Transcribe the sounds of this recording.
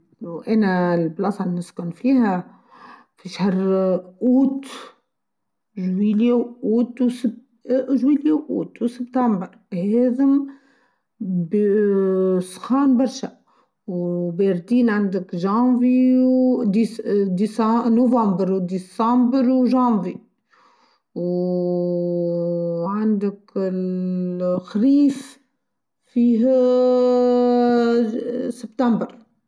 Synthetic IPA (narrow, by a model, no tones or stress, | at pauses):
wʔænælblɑsɑnəskʊnfiːhæ | fiʃhɑɾˤʔuːt̪ | ʒwiljæwʔuːt̪wsəb | ʒwiːljæwʔṵːt̪wsəbt̪æmbəɾ | heːzɪm | b | sˤxɑːnbɑɾˤʃa | wbeɾˤt̪iːnʕand̪ɪkʒɑ̃ːviwd̪id̪isnovɑ̃ːmbɾwd̪isɑmbɾwʒɑ̃ːvi | w | ʕand̪ɪkɪ | xɾiːf | fiːɦ | sɪbt̪ambɾ